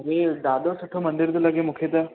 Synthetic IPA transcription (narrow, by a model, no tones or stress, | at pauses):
ɾeɖ̪aːd̪osɐʈʰomɐnd̪ɪɾd̪elɐɡemʊkʰet̪ɛː